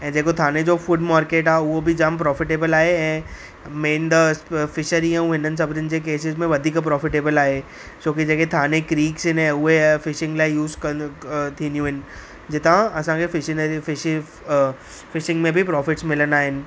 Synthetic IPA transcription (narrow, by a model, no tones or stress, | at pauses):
ɛ̃ːd͡ʑeːkot̪ʰaːned͡ʑoːfʊɖmaːɾkeːʈaːeʊɦobɪd͡ʑaːmpɾɔːfɪʈeːbəlaːɦeɛ̃ː | mẽːnd̪əsfɪʃəɾiə̃ũɦɪnənɪ̆s̬ɐbʱɪdənɪ̆d͡ʑeːk̬eːs̬ɪzmẽʋɐd̪ʱiːkpɾɔːfɪʈeːbəlaːɦe | t͡ɕoːkid͡ʑeːket̪ʰaːnekɾiːksɦɪnɛ̃ːʊɦefɪʃɪ̃ŋɡlaːɪjuːzkɐt̪ʰĩːnijũɦɪnɪ̆ | d͡ʑɪt̪ãɐsãkʰefɪʃɪfɪ | fɪʃɪ̃ŋɡmẽbʱɪpɾɔːfɪʈsmɪlənaːɦɪnɪ̆